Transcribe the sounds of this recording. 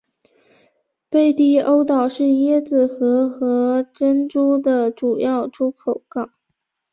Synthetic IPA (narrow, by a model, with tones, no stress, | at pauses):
pe˥˩ɪt̪i˥o˥ʊt̪ɑ˨˩ʊʂɻ̩˥˩jɛ˥d͡zɹ̩˨˩xɤ˧˥xɤ˧˥ʈ͡ʂə˥nʈ͡ʂu˥d̪ə˨ʈ͡ʂu˨˩jɑ˥˩ʊʈ͡ʂʰu˥kʰo˨˩ʊkɑ˥˩˦ʊ